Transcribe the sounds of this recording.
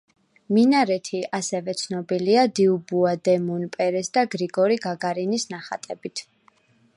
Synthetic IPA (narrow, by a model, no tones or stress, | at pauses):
minaɾɛt̪ʰiʔasɛvɛt̪sʰnɔbiliad̪iubuad̪ɛmunpʼɛɾɛsd̪aɡɾiɡɔɾiɡaɡaɾinisnaχat̪ʼɛbit̪ʰ